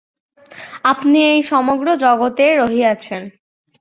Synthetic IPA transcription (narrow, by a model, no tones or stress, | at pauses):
apniejʃɔmoɡɾod͡ʑɔɡot̪eɾoɦiat͡ɕʰen